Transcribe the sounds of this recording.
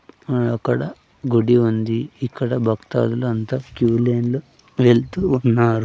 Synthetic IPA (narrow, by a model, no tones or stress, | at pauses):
ɐkːɐɽɐ | ɡuɽiund̪iːkːɐɽɐbʱɐkt̪a̰ːluluɐnt̪akjuːleːnlu | ʋeɭt̪uːnːaːɾu